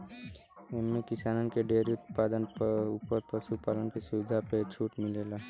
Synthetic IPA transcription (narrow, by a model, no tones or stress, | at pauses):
ɛmːẽkɪsaːnənkeɖeːɾiʊt̪paːd̪ənupəɾpəsupaːlənkisʊʋɪd̪ʱapet͡ʃʰuːʈmɪleːlaː